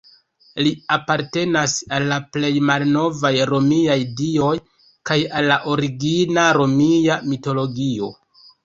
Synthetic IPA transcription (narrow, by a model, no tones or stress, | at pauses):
liapaɾte̞nasalːaple̞jmalno̞vajɾo̞miajdio̞j | kajalːaʔo̞ɾiɡinaɾo̞miamito̞lo̞ɡio̞̰